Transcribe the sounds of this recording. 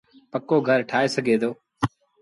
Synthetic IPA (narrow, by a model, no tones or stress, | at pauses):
pəkoːɡʱəɾʈʰaːeːsəɡʱeːd̪oː